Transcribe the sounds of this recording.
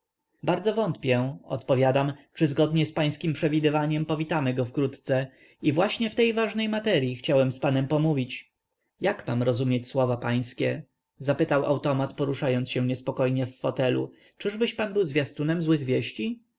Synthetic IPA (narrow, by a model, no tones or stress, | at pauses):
baɾd̪zɔvɔnt̪pʲjɛɔ̰t̪pɔvʲjad̪amt͡ʂɘzɡɔd̪ɲɛspaj̃skʲimpʂɛvʲid̪ɘvaɲɛmpɔvʲit̪amɘɡɔfkɾut̪t̪sɛ | ivwaɕɲɛft̪ɛjvaʐnɛjmat̪ɛɾʲjixt͡ɕawɛmspanɛmpɔmuvʲit͡ɕ | jakma̰mɾɔzumʲjet͡ɕswɔvapaj̃skʲɛ | zapɘt̪awʔa̰wt̪ɔmat̪pɔɾuʂajɔnt̪sɕɛ̃ɲɛspɔkɔjɲɛfːɔt̪ɛlṵ | t͡ʂɘʐbɘɕpanbɘwzvʲjast̪unɛmzwɘɣvʲjɛɕt͡ɕi